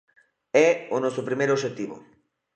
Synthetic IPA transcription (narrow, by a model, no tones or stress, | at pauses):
ɛonɔsopɾimejɾoʃet̪iβʊ̰